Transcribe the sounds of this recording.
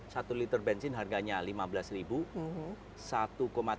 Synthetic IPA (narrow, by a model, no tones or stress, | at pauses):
sat̪ulit̪ərbɛnsɪnɦarɡaɲalimabəlasribu | sat̪ukoma